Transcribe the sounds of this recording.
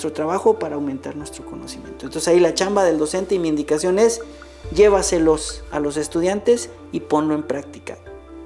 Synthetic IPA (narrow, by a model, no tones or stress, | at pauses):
t̪ɾot̪ɾaβaxo̞paɾaːwmẽnt̪aɾnwe̞st̪ɾoko̞no̞̰simjḛ̃nt̪ont̪osesailat͡ʃambaðe̞ld̪o̞se̞nt̪e̞imiːnd̪ikasjo̞ne̞s | ɟ͡ʝe̞βaselosalo̞s̬e̞st̪uðjant̪e̞s | ipo̞nlo̞e̞mpɾak̚t̪ika̰